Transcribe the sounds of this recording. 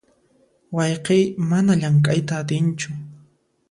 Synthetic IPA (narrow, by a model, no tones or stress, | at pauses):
wɑjqejmanaʎaŋkʼajt̪aːt̪ɪnt͡ʃʊ